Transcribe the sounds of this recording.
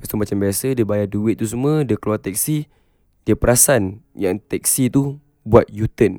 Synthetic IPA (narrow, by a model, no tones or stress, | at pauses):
bast̪umat͡ʃambiasədəbajaduɪt̪̚ːus̬əmə̃dəkluart̪ɛk̚si | diəpəɾasanjaŋt̪ɛk̚sit̪u | buat̪̚jut̪ən